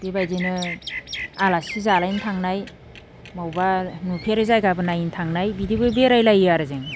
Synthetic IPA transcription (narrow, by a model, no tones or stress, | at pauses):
b̥ebajdenɯ | alasizalajntʰaŋnaj | mawbanupʰeɾɯzajɡabɯnajintʰaŋnajbidibɯbeɾajlajaɾɯzeŋ